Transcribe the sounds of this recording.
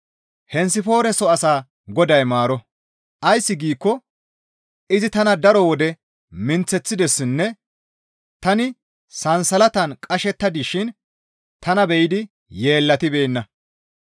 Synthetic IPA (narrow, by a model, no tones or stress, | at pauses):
hɛnsɪfo̞ːɾɛsɔɐsaː | ɡɔd̪ɐjmaːɾɔ | ʔɐjsːɪɡiːkːɔ | ɪzɪt̪ɐnɐd̪ɐɾɔwɔd̪ɛ | mɪnt͡sːɛt͡sːɪd̪ɛsːɪnːɛ | t̪ɐnɪ | sɐnsɐlɐt̪ɐnkʼɐʃɛt̪ːɐd̪ɪʃɪn | t̪ɐnɐbɛjɪd̪ɪ | je̞ːlːɐt̪ɪbe̞ːnːɐ